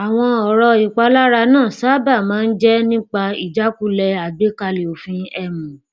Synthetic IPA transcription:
a˨w̃ɔ̃˧ɔ˨ɾɔ˧i˨k͡pa˧la˦ɾa˧nãː˦˨saː˦ba˦˨mãː˨˦n̩˦d͡ʒɛ˦nĩ˦k͡pa˧i˨d͡ʒa˦ku˦lɛ˧a˨be˨˦ka˧le˨o˨fĩ˧ɛ˧˨mũ˨

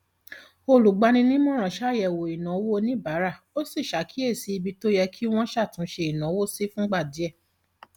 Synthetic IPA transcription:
o˧lu˨ɡ͡ba˧nĩ˧nĩ˦mɔ̃˦ɾ̃ã˨ʃa˦˨jɛ˨wo˨i˨nã˨˦wo˦nĩ˦ba˨˦ɾa˦˨ | o˦si˦˨ʃa˨˦kʰi˦e˦˨si˧˦i˧bi˧to˦jɛ˧kʰi˦w̃ɔ̃˦ʃa˦˨tũ˨˦ʃe˧i˨nã˨˦wo˦si˦fũ˦ɡ͡ba˦˨di˨˦ɛ˦˨

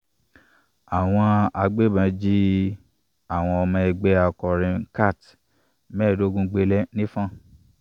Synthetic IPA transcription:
a˨w̃ɔ̃˧a˧ɡ͡be˦˨bã˧˦d͡ʒi˦ | a˨w̃ɔ̃˧ɔ˧mã˧ɛ˧ɡ͡bɛ˦a˧kɔ˧ɾĩ˧ka˦˨t | mɛ̃˦˨do˦ɡũ˧ɡ͡be˧lɛ˦nĩ˦fã˦˨

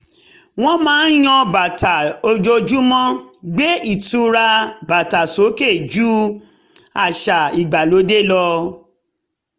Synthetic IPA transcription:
w̃ɔ̃˦mãː˨˦n̩˦j̃ɔ̃˧ba˨ta˨o˧d͡ʒo˧d͡ʒu˦mɔ̃˦ɡ͡be˦i˦˨tu˧ɾa˧ba˨ta˨so˨˦ke˦˨d͡ʒu˦ | a˨ʃa˨i˨ɡ͡ba˨lo˨˦de˦lɔ˧

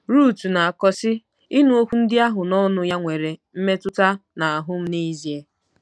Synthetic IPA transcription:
ɾu˦˨tu˨na˨a˨kɔ˨˦sɪ˦ | ɪ˦nu˦o˦kʷu˦n̩˦dɪ˦a˦ɦʊ˨nɔ˦nʊ˦ja˦ŋʷe˨ɾe˨m̩˦me˦tʊ˦ta˦na˨a˨ɦʊ˦m̩˦ne˦zi˨e˦

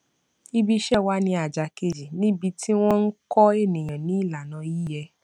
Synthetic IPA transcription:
i˧bi˧ʃɛ˦˨wa˦nĩ˧a˨d͡ʒa˨ke˨d͡ʒi˨nĩ˦bi˧tʰi˦w̃ɔ̃˦n̩˦kɔ˦e˦˨nĩ˨j̃ã˨nĩ˨˦i˦˨la˨nã˨˧ji˦jɛ˧

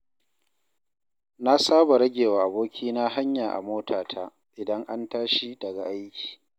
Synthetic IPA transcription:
na˦saː˦ba˨ɾɐ˦ɡʲeː˨waː˨ʔa˨boː˦kʲʰiː˦na˦ɦa˦ɲjaː˨ʔa̰˨moː˦tʰaː˨tʰa˦ | ʔɪ˨dɐ˦ŋʔa˦ntaː˦ʃi˦dɐ˨ɡa˨ʔa˦jkʲi̥ː˨

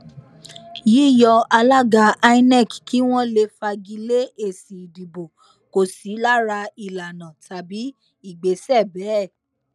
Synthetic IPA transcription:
ji˨˦˨jɔ˧a˧la˦ɡa˧a˧i˦nɛ˦˨kki˨˦w̃ɔ̃˦le˧fa˧ɡi˧le˦e˦˨si˨di˨bo˨ | ko˨si˨˦la˦ɾa˧i˨la˨nã˨ta˨bi˨˦ | i˦˨ɡ͡be˨˦sɛ˦˨bɛ˨˦˨

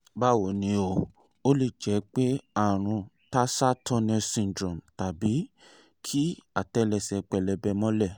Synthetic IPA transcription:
ba˦˨wo˨nĩ˨˧˦o˧ | o˦le˦˨d͡ʒɛ˨˦k͡pe˦a˦˨ɾ̃ũ˧ | ta˦sa˦tɔ˦˧nɛ̃˧sĩ˧n˨dɾɔ̃˨mta˨bi˨˦ | kʰi˦a˦˨tɛ˧˦lɛ˧˨sɛ˨k͡pɛ˨lɛ˧bɛ˧mɔ̃˦lɛ˦˨

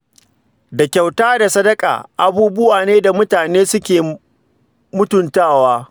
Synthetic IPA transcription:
da˨kʲa˨wtaː˦da˨sɐ˦dɐ˦kʼa̰ː˨ʔa˨buː˦bʊ˦waː˨neː˦da˨mʊ˦taː˨neː˦sʊ˦kʲeː˨ | mʊ˦tʊ˨ntaː˦˨waː˦

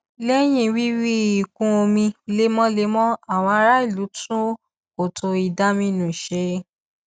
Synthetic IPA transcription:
lɛ˦j̃ĩ˦˧˨wi˦wi˦i˨kũ˧˦o˧mĩ˧le˧˦mɔ̃˦le˧˦mɔ̃˦a˦˨w̃ɔ̃˧a˧˦ɾa˦i˦˨lu˨˦tũ˦ | o˨tʰo˧i˨da˧˦mĩ˧nũ˨ʃe˧˦

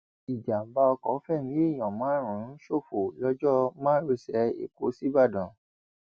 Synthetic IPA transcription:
i˨d͡ʒa˨m̩˨˦ba˧ɔ˧kɔ˨˦fɛ˦˨mĩ˦e˦˨j̃ɔ̃˨mãː˨˦ɾ̃ũ˨˦ʃo˦˨fo˨lɔ˦d͡ʒɔ˦mã˦ɾo˧sɛ˨˦ḛ˨ko˨˦si˦ba˦˨dɔ̃˨

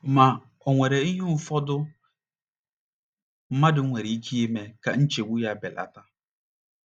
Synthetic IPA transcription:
ma˨ | o˨ŋʷe˨ɾe˨i˦ɦu˦n̩˦fɔ˦dʊ˦ | m̩˦ma˦dɪ˨˦ŋʷe˨ɾe˨i˦kʰi˦je˦me˨ka˨n̩˦t͡ʃe˨wʷu˦ja˨bɛ˨la̰˨ta˦

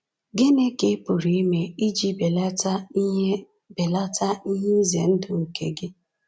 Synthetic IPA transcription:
ɡɪ˦ne˦ke˦pʊ˨ɾi˨˦i˦me˨i˦d͡ʒi˦be˨la˦ta˦ | be˨la˦ta˦ni˦ɲe˦zḛ˨n̩˦dʊ˨ŋ̩˨kḛ˨ɡɪ˦

